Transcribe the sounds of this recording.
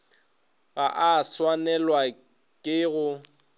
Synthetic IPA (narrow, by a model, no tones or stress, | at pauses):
ɣaʔaswanɛlwa | kʼɪɣʊ